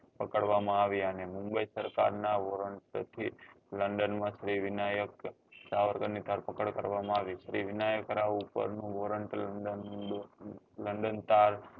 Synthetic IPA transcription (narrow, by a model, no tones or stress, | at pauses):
pəkəɽʋamãaʋiənemũmbəisəɾka̰ɾnaʋoɾəɳʈt̪ʰi | ləɳɖənmãʃɾiʋɪnajək | saʋəɾkənit̪aɾpəkəɽkəɾʋamãaʋiʃɾiʋɪnajəkəɾaʋupə̰ɾnũʋoɾəɳʈləɖən | ləɳɖənt̪aɾ